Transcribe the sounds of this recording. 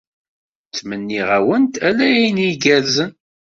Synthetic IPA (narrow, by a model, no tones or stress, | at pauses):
t͡sːmənːiʁæwənt̪ælæjæjnjiɡælzən